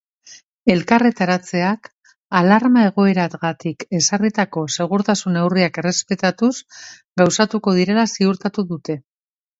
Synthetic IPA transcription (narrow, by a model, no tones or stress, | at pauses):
e̞lkare̞t̪aɾat͡se̞ak | alaɾmae̞ɣ̞o̞e̞ɾaɣat̪ike̞sarit̪ako̞se̞ɣ̞uɾt̪asune̞wriake̞re̞spe̞t̪at̪us | ɡawsat̪uko̞ð̞iɾe̞lasiuɾt̪at̪uðut̪e̞